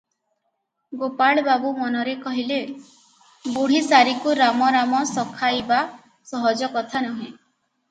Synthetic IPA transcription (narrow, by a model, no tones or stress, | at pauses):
ɡopaɭbabumɔnɔɾekɔɦile | boɽ̤isaɾikuɾamɔɾamɔsɔkʰajba | sɔɦɔd͡ʒɔkɔt̪ʰanɔɦĩ